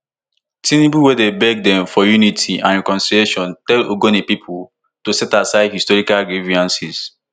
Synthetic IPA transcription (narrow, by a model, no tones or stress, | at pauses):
tĩnibuwɛdebɛɡ̚dɛ̃mfɔjunitʰiãnɹɛkɔ̃nsilieʃɔ̃ntɛlo̰ɡõnepipʰu | tosɛtasaɪdhistɔɹikalɡɹiviãnsis